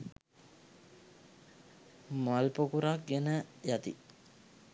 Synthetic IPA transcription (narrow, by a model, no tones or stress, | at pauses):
malpokuɾak̚ɡenəjat̪ḭ